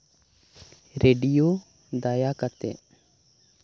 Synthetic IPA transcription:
ɾeɖijo | d̪ajakat̪ɛ̰ʔ

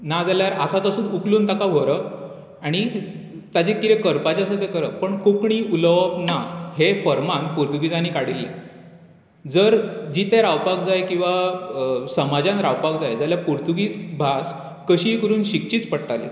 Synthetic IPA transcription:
nad͡zaljaɾasat̪əsuːnukluːnt̪akaʋʱoɾə | aɽ̃i | t̪ad͡ʑekːiɾekəɾpat͡ɕasət̪ekəɾəpəɳkokɳiːuləʋəpnaɦefəɾmãŋ̚puɾt̪uɡiːd͡zañiːkaɽilːḛ | d͡zəɾd͡ʑiːt̪eɾawpakd͡zajkĩw̃ʋa | səmad͡ʑãnɾawpaɡd͡zajd͡zaljapuɾt̪uɡiːt͡sbʱas | kəɕiːkəɾuːnɕik̚t͡ɕiːt͡spəɽʈ̪alḛ

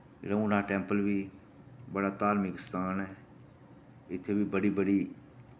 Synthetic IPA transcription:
ɾəũnaːʈɛ̃ːmpəlbiː | bəɽaːt̪aːlmɪksaːnɛ | ɪt̪ʰːeːbʱibəɽiːbəɽiː

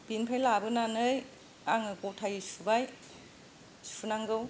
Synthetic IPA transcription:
b̥inpʰajlabɯnanɯj | aŋɯɡowtʰajisubaj | su̥pʰunaŋɡɯw

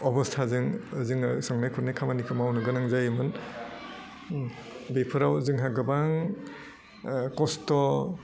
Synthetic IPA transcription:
ɔbɔstʰazɯŋzɯŋsɔŋnajkʰuɾnajkʰamanikʰɯmawnɯɡɯnaŋzajɯmɯn | bepʰɯɾawzɯŋɦaɡɯbaŋ | kɔstɔ

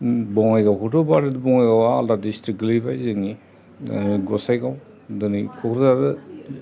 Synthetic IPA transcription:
bɔŋajɡawkʰutɔbadidɯbɔŋajɡawaːltadistɾik̚ɡlibajzɯŋi | ɡɔsajɡaw | dɯnikʰɔkʰɾzadɯ

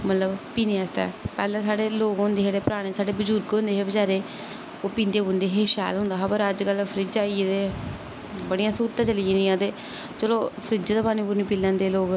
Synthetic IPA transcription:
mət̪ləbpiːneːəst̪ɛ̰ːpɛːlãːsaːɽeːloːɡɦʊ̃nd̪eːɦeːɽeːpəɾaːɽ̃eːsaːɽeːbəd͡ʒʊːɾkɦõnd̪eːɦeːbəd͡ʒaːɾeː | oːpĩːnd̪eːʊnd̪eːɦeːʃa̰ːlɦʊ̃nd̪aːɦpəɾəd͡ʒkəlpʰɾɪd͡ʒaːiːed̪eː | bəɽijãːsuːɾt̪ãːt͡ʃəliẽːnijãːt̪eː | t͡ʃəloːpʰɾɪd͡ʒt̪aːpaːnĩːpuːɾniːpiːlãːnd̪eːloːɡ

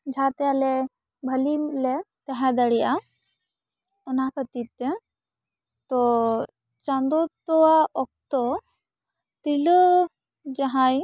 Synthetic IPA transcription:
d͡ʒʱat̪ɛalɛ | bʱəlilɛt̪ɛɦɛ̃d̪əɽija | ɔnakʰət̪it̪ɛ | t̪ɔ | t͡ʃand̪ɔt̪ɔwaɔk̚t̪ɔ | t̪ilɔ | d͡ʒaɦãj

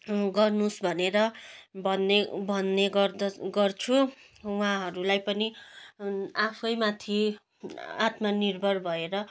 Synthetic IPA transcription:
ɡʌrnusbʱʌneɾʌbʱʌnːebʱʌnːeɡʌrd̪ʌɡʌrt͡sʰu | wãɦʌɾulajpʌni | apʰʌjmat̪ʰi | a̰t̪manirbʱʌrbʱʌeɾʌ

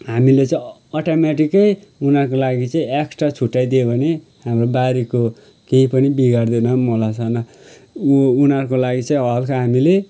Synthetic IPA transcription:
hamilet͡sʌ̃i | ʌʈamaʈikʌjunarkolaɡit͡sʌĩeksʈrat͡sʰuʈːajd̪ebʱʌne | hamrobaɾiko | keɦipʌnibiɡard̪enʌmolat͡sʰʌnʌ | unarkolaɡit͡sʌĩʌlkʰaɦamile

